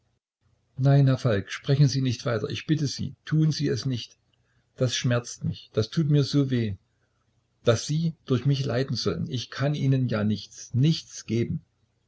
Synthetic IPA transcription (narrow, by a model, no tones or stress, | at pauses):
naɪnhɛɐfalkʃpʁ̥ɛçn̩ziːnɪçtv̥aɪtɐ̰ʔɪçb̥ɪtəzḭːtʰuːənziːɛsnɪçt | d̥asʃmɛɐt͡stmɪçd̥astʰuːtmiːɐzoːveː | d̥asz̥iːd̥ʊɐçmɪçla̰ɪdn̩zɔlə̰nɪçkʰanʔiːnənjaːnɪçt͡snɪçt͡sɡ̥eːbm̩